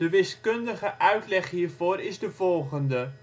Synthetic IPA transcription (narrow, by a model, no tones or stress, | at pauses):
dəʋɪskɵndəχəʔœɥtlɛχɦiːrvoːɾɪzdəvɔlˠχəndə